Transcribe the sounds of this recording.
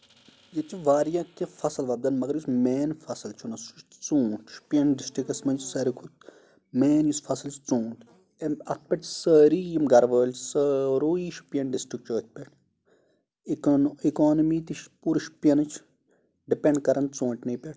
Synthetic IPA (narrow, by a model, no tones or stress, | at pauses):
jet̪uʋaːɾjãːkefɐsɐlʋɐb̚d̪ɐnmɐɡɐɾjusmeːnfɐsɨlt͡ʃʰunɐsut͡ʃt͡sõːʈʰʃpiɐnɖisʈɾikɐsmɐnd͡ʒsɐɾikʰut̪ | meːnjusfʰɐsɨlt͡ʃʰt͡sũːʈ | emɐt̪̚ʰpʲɐʈʲsəːɾijimɡɐɾʋəːlt͡ʃʰsəːɾoːiʃpiɐɳɖisʈɾik̚t͡ʃəːt̪̚ʰpʲeʈʰ | ikoːnɐmiːt̪iʃpuːɾʃpijɐnɨt͡ʃʰ | ɖipʲeɳɖkɐɾɐnt͡sõːɳʈʲnɐjpʲeʈʰ